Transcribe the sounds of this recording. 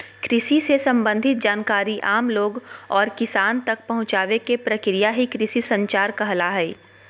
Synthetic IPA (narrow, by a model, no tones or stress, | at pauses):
kɾɪʃisesɐ̃mbə̃nd̪ʱɪt̪̚d͡ʒaːnkaːɾiʔaːmloːɡɔːɾkɪsaːnt̪ɐk̚pɐɦʊ̃t͡ʃaːʋekepɾɐkɾijaɦikɾɪsisɐ̃ɲt͡ʃaːɾkɐɦlaɦɛː